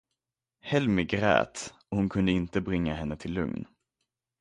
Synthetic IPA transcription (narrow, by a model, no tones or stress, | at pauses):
hɛlmɪɡɾɛ̰ːt̪ɔhʊnkʰɵnd̪əɪnt̪əbɾɪŋːaɦɛnːət̪ʰɪlːɵ̰ŋn